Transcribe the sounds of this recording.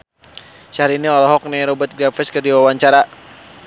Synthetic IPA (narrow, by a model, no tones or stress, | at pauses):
saaɾiniɔlɔɦɔk̚nɛɾɔbət̪̚ɡɾafɛskərdiwawaɲt͡ʃaɾa